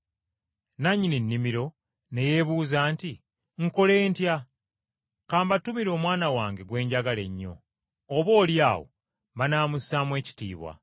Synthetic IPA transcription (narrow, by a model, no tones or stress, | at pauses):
naɲːininːimiɾo̞ | ne̞je̞βuːzaːnti | ŋ̩ko̞le̞ːntja | kaːmbatumiɾo̞ːmwaːnawaːŋɡe̞ɡwe̞ːɲɟaɡale̞ɲːo̞̰ː | βo̞ːljaːwo̞̰ | βanaːmusaːmwe̞ːci̥tḭːβwa̰